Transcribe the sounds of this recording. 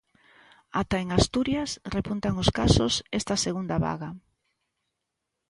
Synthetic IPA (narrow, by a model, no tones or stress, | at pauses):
at̪aeŋast̪uɾjasrepunt̪aŋoskasʊsest̪aseɣund̪aβa̰ɣa